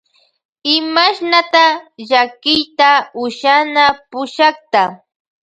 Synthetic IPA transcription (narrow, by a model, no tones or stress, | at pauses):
ɪmaʃnat̪aʎakɪjt̪aʊʃanapʊʃɑχt̪a